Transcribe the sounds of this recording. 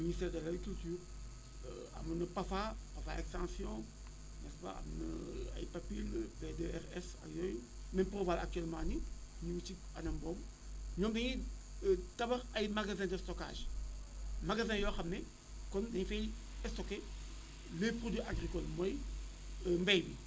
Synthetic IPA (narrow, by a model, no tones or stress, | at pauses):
ministɛːʁdɐlaɡikyltyːʁ | ə̰ | ɐ̰mɐnəpafapɐfaekstãsjɔ̃ | nɛspa̰ɐ̰mnə̰ɐ̰jpapilpedeɛʁɛsɐ̰jɔj | mɛmprovaːla̰k̚tyɛlmãniɲiwut͡ʃi | ɐnɐmbɔm | ɲɔmdɐɲi | ətɐbɐʁɐjmaɡazɛ̃ːdəstɔka̰ʒ | maɡazɛ̃jɔxɐmnɛ | kɔndɐɲfɛj | ɛstoke | lepʁodiʔaɡʁikɔlmɔj | əmbɛjbi